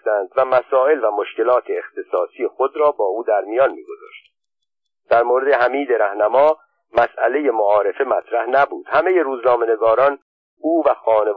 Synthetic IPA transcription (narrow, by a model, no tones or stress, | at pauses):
t̪ænd̪væmæsɒːe̞lvæmo̞ʃce̞lɒːt̪ʰeːxt̪ʰe̞sɒːsijexo̞d̪ɾɒːbɒːuːd̪æɾmijɒːnmḭːɡo̞zɒ̰ːʃt̪ | d̪̥æɾmoːɾed̪e̞ɦæmiːd̪e̞ɾæhnæmɒː | mæsʔæle̞je̞moɒːɾe̞fe̞mæt̪ʰɾæhnæbuːd̪̥hæme̞je̞ɾuːznɒːme̞ne̞ɡɒːɾɒːn | ʔuːvæxɒːne̞